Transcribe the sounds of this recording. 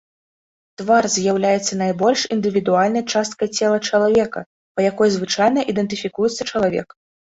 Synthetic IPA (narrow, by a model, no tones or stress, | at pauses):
t̪varzʲjawlʲajɛt̪sːɐnajbɔlʲʂind̪ɨvʲid̪ualʲnɐjt͡ʂast̪̚kɐjt͡sʲɛlˠɐt͡ʂɐlˠavʲɛkɐ̰ | pɐjakɔjzvɨt͡ʂajnɐʔid̪ɛnt̪ɨfʲikujɛt̪sːɐt͡ʂɐlˠavʲɛ̰k